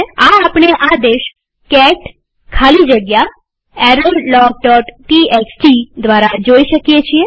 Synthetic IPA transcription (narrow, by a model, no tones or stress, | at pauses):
aapɳ̃eʔad̪eʃ | kɛʈ | kʰalid͡ʒəɡja | ɛɾollɔk̚ɖɔʈʈieksʈid̪ʋaɾad͡ʒoiʃəkijet͡ʃʰie